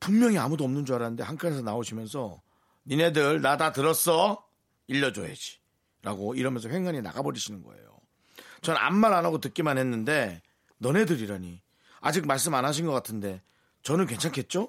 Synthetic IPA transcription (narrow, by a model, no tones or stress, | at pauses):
puŋmjʌŋiamudoʌmnɯnd͡ʑuaɾanɯnde̞haŋkʰanes̬ʰʌnaoɕʰimjʌnsʰʌ | nine̞dɯɭnadatɯɾʌs͈ʌ | iʎːʌd͡ʑoɦḛd͡ʑi̥ | ɾaɡoiɾʌmjʌnsʰʌɸweŋaɲina̰ɡabʌɾiɕʰinɯnɡʌ̰e̞̰jo̰ | t͡ɕʌnna̰nmaɾanaɡotɯk͈imanɦe̞nːɯnde̞ | nʌne̞dɯɾiɾaɲi | a̰d͡ʑik̚maɭs̬͈ɯmanaɕ̬ʰinɡʌk͈atʰɯnde̞ | t͡ɕʌnɯnkwe̞nt͡ɕʰaŋkʰe̞t̚t͡ɕ͈o